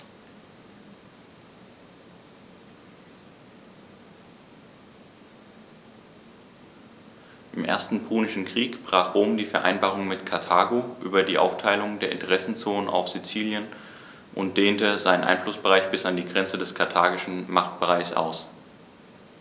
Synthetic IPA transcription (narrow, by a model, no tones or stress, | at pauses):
ʔɪmʔḛːɐstn̩pʰuːnɪʃn̩kʁ̥iːkb̥ʁaːχʁ̥oːmdiːfɛɐʔa̰ɪnbaːʁ̞ʊŋmɪtkʰaɐtʰaːɡoʔy̰ːbɐdiːʔa̰ʊftʰaɪlʊŋdeːɐɪ̰ntəʁɛsn̩t͡soːnənʔa̰ʊfz̥it͡siːljən | ʔʊ̰nt̚d̥eːntəzaɪnənʔa̰ɪnflʊsb̥əʁaɪçb̥ɪsandiːɡʁɛnt͡sədɛskʰaɐtʰaːɡɪʃn̩maχt̚b̥əʁaɪçsʔa̰ʊs